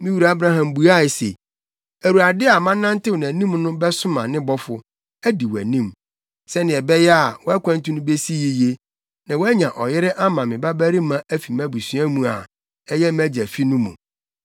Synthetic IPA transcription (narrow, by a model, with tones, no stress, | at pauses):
mĩ˦wu˨ɾa˦bɾa˦ɦã˨mbu˨a˦˨ɪ˨sḛ˨ | æ˨ɾu˨a˨dɪ˦a˨mã˦nːã˦n˦tɪ˦wɔ˨n˨æ̃˨nĩ˦mnʊ̃˦bɛ˦sʊ˦mã̰˨nɪ̃˦bɔ˦fʊ˨ | æ˦di˨wæ̰˨nĩ˦m | sɛ˦nɪ̃˨ɛ˨bɛ˦jɛ˦a˨wɔ˦æ˦kʰʷã˦n˦tu˦nʊ̃˦be˦si˦ji˦je˦ | nã˨wæ˦ɲã˨ʔɔ˨jɪ˦ɾɪ˦ʔa˦mã˨mɪ̃˨ba˦bæ˦ɾi˦mã˦ʔæ˦fi˨mæ̃˦bu˨sɥã˦mũ˨a̰˨ | ɛ˦jɛ˦mæ˦d͡ʑæ˨fi˦nʊ̃˦mṵ̃˨